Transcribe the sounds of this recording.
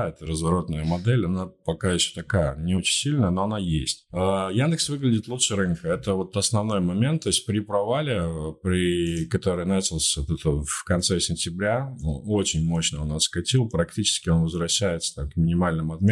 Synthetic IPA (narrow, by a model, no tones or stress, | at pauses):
ɛt̪əɾəzvɐɾo̞t̪nəjəmɐd̪ɛlʲɐnapɐkajɪɕːo̥t̪ɐkajə̰nʲɪo̞t͡ɕɪnʲsʲilʲnəjəno̞ɐnajesʲtʲəjand̪ɨksvɨɡlʲɪdʲɪt̪lˠut̪ʂɨɾɨnkəɛt̪əvo̞t̪ɐsnɐvno̞jmɐmʲe̞nt̪ːo̞ɪsʲt̚ʲpɾʲɪpɾɐvalʲɪpɾʲɪkɐt̪o̞ɾɨjnat͡ɕɪlˠsʲvot̪ɛt̪əfkɐnt̪sɛsʲɪnʲtʲɪbɾʲaoot͡ɕɪnʲmo̞ɕnəonaskɐtʲilˠpɾɐktʲit͡ɕɪ̥skʲɪo̞nvəzvɾɐɕːæjɪt̪sə̥t̪amkmʲɪnʲɪmalʲnɨmʊɐt̪mʲe